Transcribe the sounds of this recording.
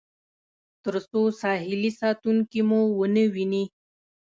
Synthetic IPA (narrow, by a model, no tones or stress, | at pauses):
t̪əɾsosɑːɦɪlisɑːt̪uŋkimuwənəwini